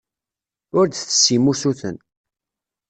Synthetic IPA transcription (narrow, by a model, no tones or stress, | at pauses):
ʊɾd̪θə̥sːimusuθən